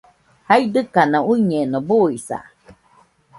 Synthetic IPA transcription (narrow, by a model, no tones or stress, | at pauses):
haid̪ɨkanouiɲenobuisa̰